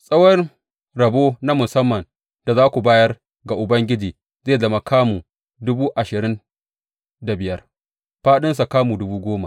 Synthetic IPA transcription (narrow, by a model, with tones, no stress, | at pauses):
sʼɐ˦wɐ˦r | ɽɐ˨boː˦na˦mʊ˨sɐ˦mːɐ˨n | d̥a˨zaː˦kʷu˨baː˦jɐ˦r | ɡa˨ʔʊ˨bɐ˦ŋɡʲɪ˦d͡ʒiː˨ | zeː˦˨zɐ˦ma˨kʰaː˦mu˨ | dʊ˦buː˦ʔa˨ʃɪ˨ɾɪ˦n | da˨bɪ˨jɐ˦r | ɸaː˦ɗɪ˦ns̬a˨kaː˦mu˨dʊ˦buː˦ɡʷoː˦ma˨